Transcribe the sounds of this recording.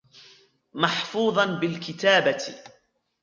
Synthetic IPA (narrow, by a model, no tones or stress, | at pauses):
mɑħfuːðˤɑnbɪlkɪt̪aːba